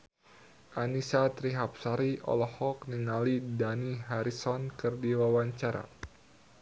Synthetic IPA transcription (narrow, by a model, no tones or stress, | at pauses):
ʔanisat̪ɾiɦap̚saɾiʔɔ̰lɔhɔk̚niŋalidaniɦaɾisɔnkɨrdiwawaɲt͡ʃaɾa̰